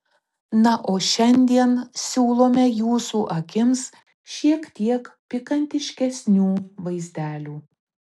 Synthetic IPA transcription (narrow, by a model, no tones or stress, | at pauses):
nɐʔoːʃʲɛnʲd̪ʲiɛnsʲuːlˠoːmʲɛjuːsuːʔɐkʲɪms | ʃʲiɛkt̪ʲiɛkpʲɪkɐnʲt̪ʲɪʃʲkʲɛsʲnʲuːʋɐɪzʲd̪ʲæːlʲuː